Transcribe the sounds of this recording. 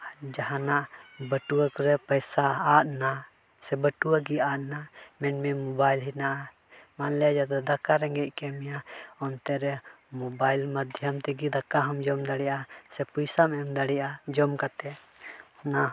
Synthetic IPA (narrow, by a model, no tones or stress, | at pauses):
d͡ʒaɦanaʔbəʈuwakɔɾɛpəjsaːʔna | sɛbəʈuwaɡiaʔnamɛnmɛmɔbajlɦinaʔa | manlɛd͡ʒad̪ɔd̪akaɾɛŋɡɛc̪̚ˀkɛmijaɔnt̪ɛɾɛ | mɔbajlməd̪ʱjəmt̪ɛɡid̪akaɦɔmd͡ʒɔmd̪aɽɛjasɛpujsamɛmd̪aɽɛjad͡ʒɔmkat̪ɛ | ɔna